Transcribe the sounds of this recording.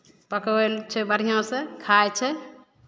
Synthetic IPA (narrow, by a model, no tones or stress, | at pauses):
pəkelt͡ʃʰɛbəɽ̤ijõsẽkʰajt͡ʃʰɛ